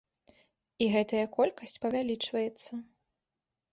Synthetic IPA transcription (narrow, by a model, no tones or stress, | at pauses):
iɣɛt̪ɐjɐkɔlʲkɐsʲt͡sʲpɐvʲalʲit͡ʂvɐjɛt̪sːɐ